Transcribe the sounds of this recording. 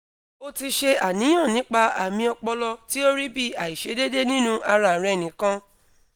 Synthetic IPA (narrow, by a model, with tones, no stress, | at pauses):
o˧ti˧ʃe˧a˨nĩ˨˦j̃ã˦˨nĩ˨˦k͡pa˧a˨mĩ˧ɔ˧k͡pɔ˧lɔ˧ti˦o˦ɾi˦bi˦a˨i˨ʃe˨˦de˦de˦nĩ˦nũ˦ʔa˧ɾa˧˨ɾɛ˨nĩ˨˦kã˧˦